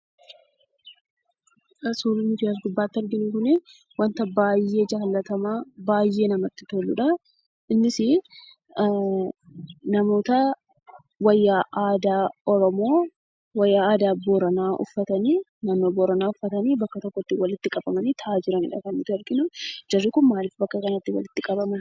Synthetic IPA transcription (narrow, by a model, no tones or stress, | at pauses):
ʔɐsuːlɪnɪd͡ʒɪjas̬ɡʊbːaːt̪ːɐɾɡɪnikʊnɪ | wɐnt̪ɐbaːjːe̞ːd͡ʒɐːlːɐt̪ɐmaːbaːjːe̞ːnɐmɐt̪ːɪ̥t̪oːlːʊᶑɐ | ɪnːɪsɪ | nɐmo̞ːt̪ɐ | wɐjːaːʔaːd̪aːɔɾɔmo̞ː | wɐjːaːaːd̪aːboːɾɐnaːʔʊ̰fːɐt̪ɐniːnɐnːoːboːɾɐnaːʊfːɐt̪ɐniːbɐkːɐt̪ɔkːɔt̪ːɪwɐlɪt̪ːɪkʼɐbɐmɐniːt̪ʰɐaːd͡ʒɪɾɐnɪ̰ᶑɐkɐnːɪt̪ɐɾɡɪnʊd͡ʒɐrːɪkʊnmaːlɪfbɐkːɐkɐnɐt̪ːɪwɐ̰lɪt̪ːɪkʼɐbɐmɐn